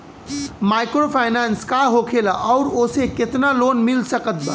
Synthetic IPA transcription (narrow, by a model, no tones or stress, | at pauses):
majkɾopʰajnanskaɦokʰelaʔɔʊɾoseket̪nalonmilsəkət̪̚bə